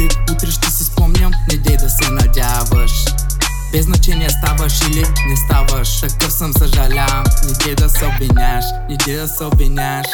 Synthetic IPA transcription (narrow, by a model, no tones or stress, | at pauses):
iut̪ɾɛʃt̪ɛsɛspɔmnʲɐmnɛd̪ʲɛjd̪ɐsɛnɐdʲavɐʃ | b̥ɛznɐt͡ʃɛniɛst̪avəʃilinɛst̪avəʃt̪ɐkəfsəmsɐʒɐlʲamnɛd̪ʲɛjd̪ɐsɛobɪnʲaʃ | nɛd̪ʲɛd̪ɐsɛobinʲaʃ